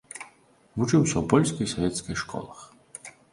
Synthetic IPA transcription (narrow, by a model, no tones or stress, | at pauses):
ʋut͡ʂɪwsʲɐwpɔlʲsʲkʲixsɐʋʲɛt̪skʲixʂkʰɔ̰lˠɐx